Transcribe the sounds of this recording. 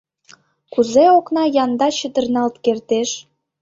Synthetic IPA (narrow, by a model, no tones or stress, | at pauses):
kuzeoknɑjɑnd̪ɑt͡ɕəd̪ə̆rnɑlt̪kert̪eʃ